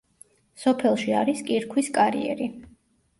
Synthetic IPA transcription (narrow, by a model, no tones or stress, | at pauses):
sɔpʰɛlˠʃiaɾiskʼiɾkʰwiskʼaɾḭɛ̰ɾi